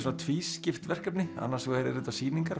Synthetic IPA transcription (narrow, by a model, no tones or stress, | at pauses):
sɔnat̪ʰviːscɪft̪vɛr̥kapnɪa̰nːaɾ̥sɛɾɛɾɪt̪vasiːniŋkaɾ